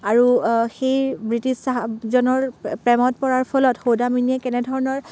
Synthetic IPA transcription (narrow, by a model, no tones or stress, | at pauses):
aɹuxejbɹitisazɔnɔɹpɹɛmɔt̚pɔɹaɹpʰɔlɔtxowdaminiɛkɛnɛdʱɔɹɔnɔɹ